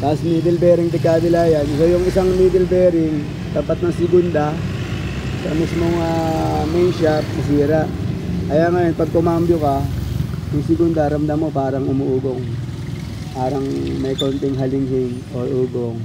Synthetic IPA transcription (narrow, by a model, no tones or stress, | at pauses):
t̪asmiːd̪ɛlbɛːɾɪŋt̪ɪɡkaːd̪ɪlaːjɐnsojʊŋɪsaŋmiːd̪ɛlbɛɾɪŋ | t̪ɐpat̪̚nɐŋsɪɡʊnd̪ɐ | sɐmismoŋamɛjnʃap̚nɐs̬iːɾɐʔkɐjaːŋɐjonpɐɡ̚pʊmambjokɐ | jʊŋsɪɡund̪ɐɾɐmd̪amːo̞paːɾɐŋʊmuʔuːɡoŋ | paːɾɐŋmɐjkont̪ɪŋɦɐlɪŋɦɪŋʔoʔuːɡoŋ